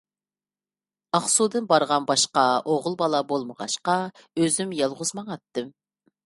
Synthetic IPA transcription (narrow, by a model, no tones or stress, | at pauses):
ɑχsud̪ɨnbɑɾʁɑnbɑʃqɑoʁʊlˠbɑlˠɑbolˠməʁɑ̰ʃqɑøzymjɑlˠʁʊzmɑŋɑt̪ːɨm